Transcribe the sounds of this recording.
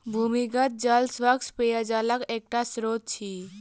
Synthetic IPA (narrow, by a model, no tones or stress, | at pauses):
bʱumiɡət̪̚d͡ʒalsʋəkspejad͡ʒaləkek̚ʈasɾot̪̚t͡ʃʰi